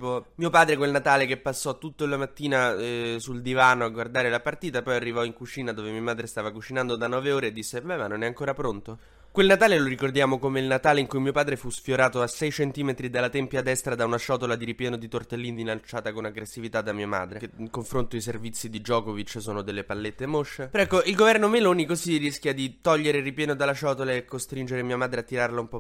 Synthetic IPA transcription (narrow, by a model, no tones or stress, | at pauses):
pɔmiopaːd̪ɾekwelnat̪aːlekepːasːɔt̪ːut̪ːoilːamat̪ːiːnasuld̪ivaːnoaɡward̪aːɾelapart̪iːt̪apɔjarːivɔiŋkut͡ʃiːnad̪oːvemiamaːd̪ɾest̪aːvakut͡ʃinand̪od̪anɔːveoːɾeːd̪ːisːebɛmanːonɛaŋkoːɾapɾont̪o | kwelnat̪aːleloɾikord̪jaːmokomeilnat̪aːleiŋkujmiopaːd̪ɾefusfjoɾaːt̪oasɛjt͡ʃent̪iːmet̪ɾid̪alːat̪ɛmpjad̪ːɛst̪ɾad̪aunaʃɔt̪olad̪iɾipjɛːnod̪it̪ort̪elːiːnd̪ilant͡ʃaːt̪akonaɡɾesːivit̪ad̪amiːama̰d̪ɾekikoɱfɾont̪oiservit̪sːid̪id͡ʒɔːkovit͡ʃːsoːnod̪elːepalːet̪ːemoʃːepeɾɛkːoilɡovɛrnomeloːnikozirːiskʲjad̪it̪ɔʎːeɾeripjɛːnod̪alːaʃɔːt̪olaekːost̪ɾind͡ʒeɾemiamaːd̪ɾeat̪ːiɾarlaumpɔ